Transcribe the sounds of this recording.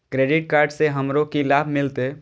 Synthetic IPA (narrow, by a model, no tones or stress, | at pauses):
kɾeːɖɪʈ̚kaːɾɖseɦəmɾõkilaːbʱmɪlt̪eː